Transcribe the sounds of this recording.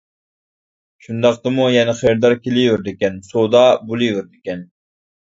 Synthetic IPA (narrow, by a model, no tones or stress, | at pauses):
ʃund̪ɑqt̪ɨmujɛnɛχejɾd̪ɑɾkʲelijvɪɾd̪ɪkʲɛnsod̪ɑbulˠivɪɾd̪ɪkʲɛn